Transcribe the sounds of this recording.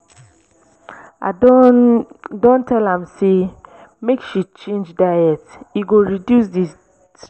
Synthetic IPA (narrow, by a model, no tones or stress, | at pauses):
a̰do | dõntʰɛlãmse | mekʃit͡ʃẽnd͡ʒdaɛtiɡoɹidjus̬di